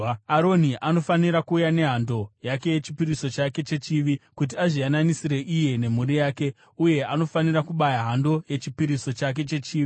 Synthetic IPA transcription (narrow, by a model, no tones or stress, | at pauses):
aɾo̞niʔano̞faniɾakuːjane̞ɦando̞jake̞je̞t͡ʃipiɾiso̞t͡ʃake̞t͡ʃe̞t͡ʃiʋikut̬iaʐijananisire̞ʔije̞ne̞murijaːke̞ | uje̞ʔano̞faniɾakuɓajaɦando̞je̞t͡ʃipiɾiso̞t͡ʃak̬e̞t͡ʃe̞t͡ʃiːʋi